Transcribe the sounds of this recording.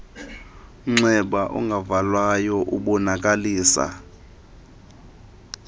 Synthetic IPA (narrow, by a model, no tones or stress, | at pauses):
ŋ͡ǀɛɓaʔɔ̰ŋɡʱavalwajɔʔuɓɔnak̬ʼaliːsa̰